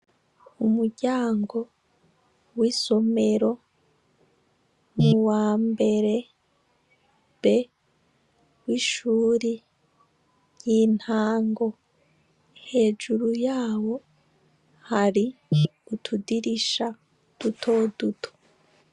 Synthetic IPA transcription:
umuɾɟaːŋɡo̞ | wiːso̞me̞ɾo̞ | muwaːmbe̞ɾe̞ | b̥e̞ | wiːʃuːɾi | jiːn̥haːŋɡo̞ | he̞ːʒuɾujaːwo̞ | haɾiutʰudiɾiʃa | d̥utʰo̞ːdutʰo̥

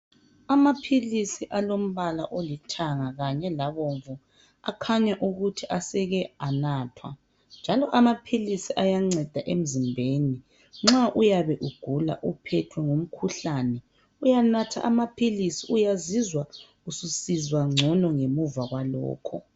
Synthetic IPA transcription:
amapʰilisiʔalom̩βalaʔolitʰaŋaɣaɲɛlaβoɱvu | a̰kʰaɲaʔuɣutʰiʔasɛɣɛanaːtʰwa̰ | nd͡ʒʱalɔʔamapʰilisiʔajaŋ͡ǀɛd̥ʱaʔem̩zimbʱeni | ŋ͡ǁaʔujaβɛʔuɡ̥ʱula̰ʔupʰɛtʰwɛŋum̩kʰuɬaːnɛ | ujanatʰa̰ʔamapʰilisiujazizwaɣususizwaŋ͡ǀʱɔnɔŋemuvaɣwalɔ̰ːkʰɔ̰

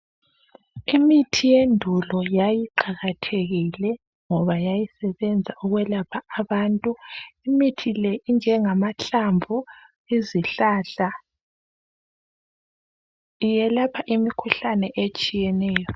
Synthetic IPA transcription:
imitʰijendʱulɔjajiǃaɣatʰeɣilɛ | ŋɔβajajisɛβɛnd͡zʱauɣwɛlapʰaːβaːntʼuimitʰileʔind͡ʒʱɛŋamaɬamvʱu | iziɬaɬa | ijɛlapʰaʔimikʰuɬanɛʔet͡ʃʼijɛnɛːjɔ

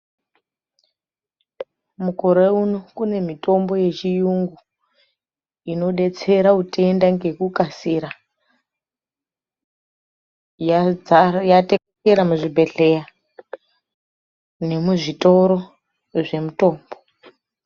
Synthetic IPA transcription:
mukoɾeunokune̞mito̞mbo̞je̞t͡ʃijuŋɡu | ino̞ɗe̞t͡se̞ɾaute̞ndaŋɡe̞kukasiɾa | jate | eɾamuʐibʱe̞ɮe̞ja | ne̞muʐito̞ɾo̞ | ʐe̞muto̞ːmbo

